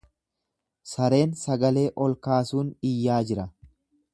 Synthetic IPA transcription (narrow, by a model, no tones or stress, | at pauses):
sɐɾe̞ːnsɐɡɐle̞ːʔɔlkaːsuːnɪjːaːd͡ʒɪɾɐ